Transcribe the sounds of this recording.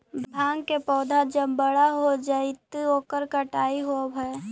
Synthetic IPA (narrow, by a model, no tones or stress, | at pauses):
bbʱãːŋɡkepɔːd̪ʱad͡ʒəbbəɽaɦod͡ʒaɪt̪oːkəɾkəʈaːiɦobʱə